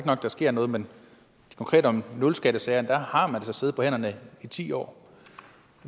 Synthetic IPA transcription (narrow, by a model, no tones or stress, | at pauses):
ɡənɒ̽ɡ̥d̥ɑsɡ̥e̝ɐ̰nɔ̽ːð̩ˠmen | kʰɒ̽ŋkʰʁɛ̰ːd̥ɒ̽mnolsɡ̥æɾ̥əsɛːɐnd̥æhɑ̈mænd̥e̝sɒ̽se̝ð̩ˠpɒ̽hen̰ɐnəit͡sʰḭːɒ̰ː